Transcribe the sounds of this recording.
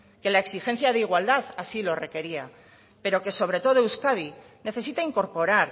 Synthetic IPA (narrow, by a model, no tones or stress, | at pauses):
ke̞laeksixe̞n̟θjaðe̞iɣ̞wald̪aðasilo̞re̞ke̞ɾia | pe̞ɾo̞ke̞so̞β̞ɾe̞t̪o̞ð̞ouskaði | ne̞θe̞sit̪aiŋko̞ɾpo̞ɾaɾ